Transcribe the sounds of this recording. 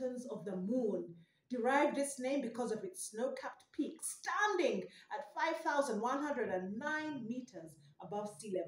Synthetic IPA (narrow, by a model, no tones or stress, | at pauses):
ə̃nzʌvðəmũn | d̥ɨɹaɪvdɪsnẽɪ̃mbɨkʰʌzʌvɨtsnoʊkʰæp̚tpʰikstæ̃ndɪ̃ŋʔətfaɪv̥θaʊzə̃nd̚wʌ̃nɦʌ̃ndɹɨɾɨ̃nːãɪ̃nmiɾʰə˞z | ʔəbʌv̥stilɛ̃